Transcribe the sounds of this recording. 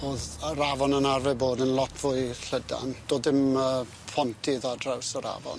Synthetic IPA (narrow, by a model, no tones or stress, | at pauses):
oːðəɾavɔnənarvɛboːdənlˠɔtʰv̥uɨɬəda̰nd̥oːdɪmə | pʰɔntʰiðadrawsəɾa̰vɔ̰n